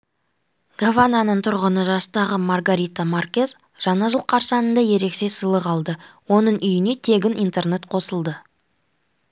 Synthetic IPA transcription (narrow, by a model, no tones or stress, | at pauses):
ɡ̥avananəɴt̪ʰʊɾʁənəʒɑst̪ɑʁəmarɡaɾʲit̪amarkʲe̞z | ʒ̥ɑnɑʒəlˠqʰɑɾsɑnənd̪ɑje̞ɾe̞kse̞səlˠəqɑlˠd̪əwo̞nəɴʔʏjɪne̞t̪ʰe̞ɡʲɪnijnt̪e̞rnet̪qʰo̞səlˠd̪ə